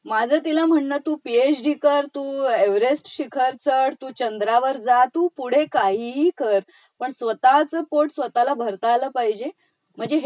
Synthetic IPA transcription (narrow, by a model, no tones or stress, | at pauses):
mad͡zʱəːt̪ilam̤əɳnət̪uːpiet͡sɖiːkəɾt̪uːeʋɾesʈɕikʰəɾt͡səɽt̪uːt͡ɕənd̪ɾaʋəɾd͡zat̪uːpuɽ̤ekaɦiɦiːkəɾ | pəɳsʋət̪at͡səːpoʈsʋət̪alabʱəɾt̪aːləːpaɦid͡ʑe | m̤əɳd͡zeɦ